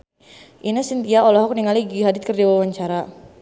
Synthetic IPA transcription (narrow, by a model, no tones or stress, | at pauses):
ʔinasint̪iaʔɔlɔɦɔk̚niŋaliɡiɦadɪt̪̚kərd͡ʒawawaɲt͡ʃaɾa